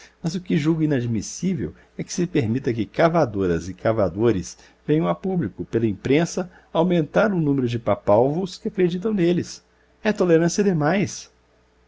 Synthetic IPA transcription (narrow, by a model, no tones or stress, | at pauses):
mɐzʊkɪʒuɡʊinad͡ʒmisivḛw | ɛkɪ̥sɪpeɾmit̪ɐk̬ɪkavad̪oɾɐzɪkavad̪oɾɪs | vẽjɐ̃w̃apublikʊpelɐĩmpɾẽsɐ | awmẽnt̪aɾʊnũmeɾʊd͡ʒɪpapawvʊskɪakɾed͡ʒit̪̬ɐ̃w̃nelɪs | ɛt̪oleɾɐ̃siɐd̪ɪmajs